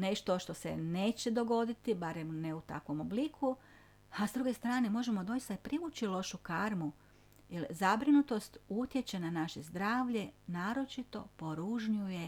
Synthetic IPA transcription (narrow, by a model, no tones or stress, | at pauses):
ne̞ʃt̪o̞ʃt̪o̞sḛne̞ːt͡ɕe̞d̪o̞ɡo̞d̪it̪ibaɾemneut̪akʋo̞moblikʰu | azd̪ɾuɡest̪ɾaːne̞mo̞ʒe̞mo̞d̪o̞jist̪aipɾiʋut͡ʃilˠo̞ʃukaɾmu | jelzabɾinut̪o̞st̪ut̪je̞t͡ɕe̞nanaʃezd̪ɾaːʋʎe̞naːɾo̞t͡ʃit̪o̞po̞ɾuʒɲuje̞